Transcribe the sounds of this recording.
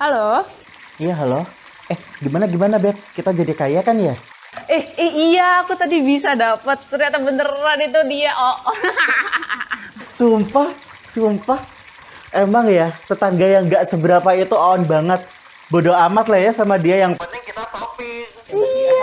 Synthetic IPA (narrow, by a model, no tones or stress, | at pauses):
halo | ijaɦalo | ɛhɡimanaɡimanabɛp̚kit̪ad͡ʒadikajakanja | ɛhɛhijaːkut̪adibisadapət̪̚səɾiat̪abənəranit̪udiaʔɔʔ | sumpahsumpah | ʔemaŋjat̪ət̪aŋɡajaŋɡaʔsəbəɾapait̪uaɔnbaŋət̪̚ | bodoamat̪lahjasamadiajaŋpət̪ɪŋkit̪asopɪ | ia